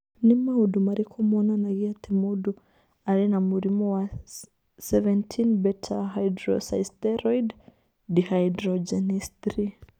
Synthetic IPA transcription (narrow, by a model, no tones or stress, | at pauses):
nimaudumaɾikʰɔmɔnanaɣiatʰimudu | aɾinamuɾimɔwa | sɛvɛntʰinbɛtʰaɦajdɾɔ̰sa̰jstɛɾɔid | dihaidɾɔd͡ʒɛnistɾi